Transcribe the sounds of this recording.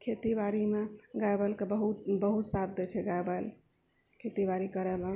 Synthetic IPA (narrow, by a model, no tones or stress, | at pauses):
kʰet̪ibaɾimeɡabəlkebəɦut̪bəɦut̪sad̪ʱːət͡ʃʰɛɡabəl | kʰet̪iʋaɾikəɾəme